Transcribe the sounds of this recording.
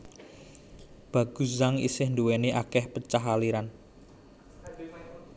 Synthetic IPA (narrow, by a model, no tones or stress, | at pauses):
b̥a̤ɡ̥ṳzaŋḭsɪhnduweneʔakɛhpət͡ʃaɦaliɾan